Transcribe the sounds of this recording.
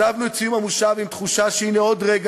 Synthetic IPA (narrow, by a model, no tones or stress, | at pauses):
avnuet͡sijumhamuʃavimt̪χuʃaʃeineod̪ʁeɡ